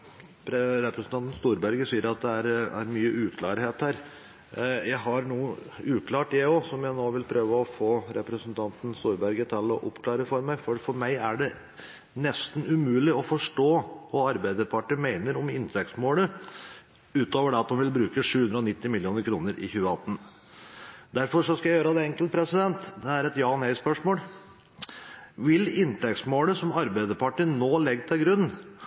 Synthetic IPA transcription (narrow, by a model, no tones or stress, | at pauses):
pɾɛɾɛpɾɛsn̩t̪ɑnt̪n̩st̪uːɾbæɾɡəsiːəɾɑt̪̚d̪ɛæɾæ̰ɾmyːəʔʉːkʰlɑːɾɦeːt̪hæːɾ | jæɪɦɑɾnuːəʉːkʰlɑːʈjæoːsɔmjæɪnoːʋɪlpʰɾøːʋəɔfoːɾɛpɾəsənt̪ʰɑnt̪n̩st̪uːɾbæɾɡət̪ʰɪlɔʔɔpkʰlɑːɾəfɔɾmæɪfɔfɔɾmæɪæɖɛ | nɛst̪n̩ʉmʉːlɪɔfɔʂʈoːʋɑɑɾbæɪd̪əɾpʰɑʈəmeɪnəɾɔmɪnt̪ʰɛkt̪smoːlə | ʉːt̪oːʋəɖɛɑt̪̚d̪ɔmʋɪlbɾʉːkəʂʉːhʉnd̪ɾəɔnɪt̪ːɪmɪljɪuːnəɾkʰɾuːnəɾʔɪ̰çʉːəɑt̪ːən̩ | d̪æɾfɔʂɔskɑjæɪjøːɾəd̪ɛɛŋkəlt̪̚pʰɾɛsɪd̪ɛnt̪d̪ɛæɾɛt̪jɑːnæɪspœʂmoːl | ʋɪlɪnt̪ʰɛk̚t̪smoːləsɔmɑɾbæɪd̪əɾpʰɑʈənoːlɛɡt̪ʰɪlɡɾʉnː